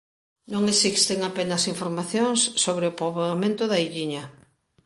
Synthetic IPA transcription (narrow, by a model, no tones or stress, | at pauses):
nõŋesikst̪eŋapenɐsiɱfoɾmaθjoŋsːoβɾeʊpoβamẽnt̪ʊðɐiʎiɲɐ